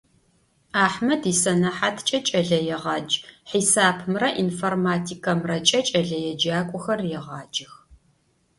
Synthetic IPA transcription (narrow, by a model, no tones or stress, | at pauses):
aːħmɐdisɐnɐħatʰt͡ʃʼɐt͡ʃʼɐɮɐjɛʁɑːd͡ʒħisaːpʰmrɐʔinformaːtʰikʰɐmrɐt͡ʃʼɐt͡ʃʼɐɮɐjɛd͡ʒaːkʷʼʊxɐrjɛʁɑːd͡ʒɪx